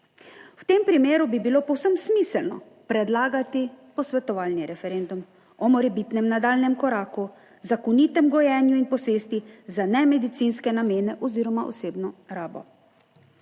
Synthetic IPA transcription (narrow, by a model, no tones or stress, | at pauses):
wt̪eːmpɾimeːɾubibiloːpɔwsəmsmiːsɛlnɔ̰ | pɾɛd̪laːɡat̪ipɔsʋɛt̪ɔʋaːlniɾɛfɛɾend̪um | ɔmɔɾɛbiːt̪nɛmnad̪aːlnɛmkɔɾaːku | zakɔnit̪ɛmɡɔjɛːnjuinpɔseːst̪izanɛmɛd̪it̪sinskɛnameːnɛʔɔziːɾɔmaʔɔ̰seːbnɔɾaːbɔ̰